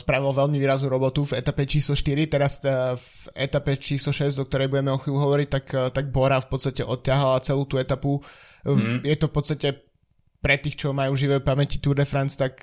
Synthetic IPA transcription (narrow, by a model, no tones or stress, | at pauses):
spɾaʋilʋɛlmiʋiːɾaznuːɾɔbɔt̪uvɛt̪apɛt͡ʃiːslɔʃt̪iɾit̪ɛɾasv | ɛ̰t̪apɛt͡ʃiːslɔʃɛzɟɔkt̪ɔɾɛjbuɟɛmɛɔxʋiːluɦɔʋɔɾic̚t̪akt̪aɡ̚bɔɾafpɔt̪st̪acɛʔɔt̪ːɪaɦalat͡sɛluːt̪uɛt̪apu | jɛt̪ɔfpɔt̪t͡st̪acɛ | pɾɛt̪iːxt͡ʃɔmajuːʒiʋɛpamɛcit̪uɾd̪ɛfɾant͡st̪ak